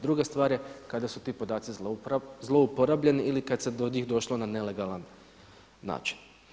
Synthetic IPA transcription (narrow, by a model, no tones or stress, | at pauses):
d̪ɾuɡest̪ʋaːɾjekad̪asut̪iːpod̪aːt̪sizlˠo̞upoɾabʎe̞niʔilikad̪sed̪oɲiːxd̪o̞ʃlo̞nane̞le̞ɡalˠanː | a̰ːt͡ʃi̥n